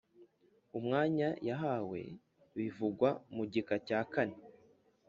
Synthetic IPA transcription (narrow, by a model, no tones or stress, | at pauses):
umŋaːɲajaɦawe̞̰ | βivuɡwamuɟikacaːkane